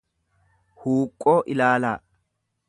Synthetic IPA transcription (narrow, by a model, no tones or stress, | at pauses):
huːkʼːoːʔɪlaːlaː